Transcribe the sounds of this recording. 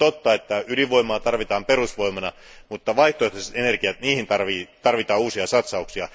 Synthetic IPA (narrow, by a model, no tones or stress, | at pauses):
t̪ot̪ːɑet̪ːæyliʋoimˑɑːt̪ɑrʋit̪ɑːmperusʋoimɑnɑ | mut̪ːɑʋɑiht̪oet̪esenerkiæt̪niːhint̪ɑrʋiːt̪ɑrʋit̪ɑːuːsiɑsɑt̪sɑuksiɑ